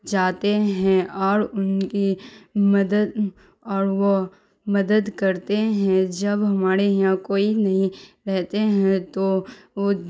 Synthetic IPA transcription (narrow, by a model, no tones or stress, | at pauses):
d͡ʒaːt̪eɦɛ̃ɔːɾʊnkimɐd̪əd̪ | ɔːɾʋo | mɐd̪əd̪kɐɾt̪eɦɛ̃d͡ʒɐbɦɐmaːɾejãkoːinɐɦĩɾɛɦt̪eɦɛ̃t̪oo